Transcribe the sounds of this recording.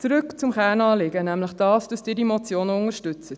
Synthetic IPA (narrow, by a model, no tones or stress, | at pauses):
t͡sɾʉkt͡sʊmχæːnɑːlɪɡənæmləχd̥ɑːsd̥ɑsd̥ɪːdimɔt͡sjoːnəʊŋəɾʃtʏt͡sət